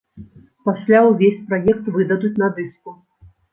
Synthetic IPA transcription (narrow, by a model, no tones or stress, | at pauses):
pasʲlʲawvʲesʲpɾajɛk̚t̪vɨd̪ɐd̪ut͡sʲnɐd̪ɨsku